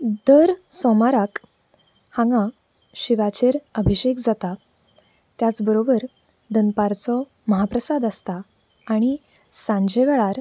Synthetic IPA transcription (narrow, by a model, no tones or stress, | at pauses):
d̪əɾsɔmaɾak | hãŋɡã | ɕiʋat͡ɕeɾəbʱiɕekd͡zat̪a | t̪jat͡sbəɾobəɾ | d̪ənpaɾt͡sɔ | məɦapɾəsad̪əst̪aː | ɽ̃i | sãɲd͡ʑeʋɛɭaɾ